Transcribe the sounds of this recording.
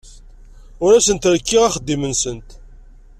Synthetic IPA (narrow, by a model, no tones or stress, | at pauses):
ʊɾæsənt̪ɾkːiʁæχəd̪ːimənsənt̪